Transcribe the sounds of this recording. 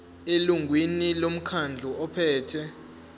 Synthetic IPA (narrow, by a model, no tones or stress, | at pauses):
eluŋʱwinilom̩kʰand͡ɮʱuɔpʰɛːtʰɛ